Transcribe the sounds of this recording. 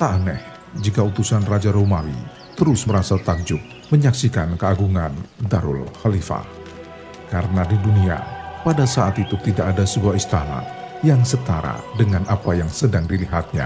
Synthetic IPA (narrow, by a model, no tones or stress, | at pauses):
t̪anɛ̰h | d͡ʒikaut̪usanrad͡ʒaɾomawḭ | t̪əɾʊsməɾasat̪ak̚d͡ʒʊk̚ | məɲaksikankəaɡuŋandaɾʊ̰lxalifa̰ | kaɾənadidunia̰padasaʔat̪it̪ut̪idaʔadasəbuaist̪a̰na̰jaŋsət̪aɾa̰dəŋanʔapajaŋsədaŋdiliɦat̪̚ɲa̰